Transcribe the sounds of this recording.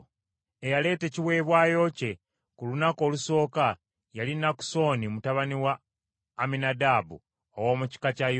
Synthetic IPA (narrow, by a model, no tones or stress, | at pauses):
e̞jale̞ːte̞ːciwe̞ːβwaːjo̞ce̞ | kulunako̞ːluso̞ːka | jalinaku̥so̞ːnimutaβaniwaː | minadaːbṵ | owo̞ːmuci̥kacaj